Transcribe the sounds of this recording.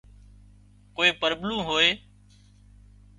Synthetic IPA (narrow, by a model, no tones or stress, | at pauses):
koːieːpəɾbnũːɦoːeː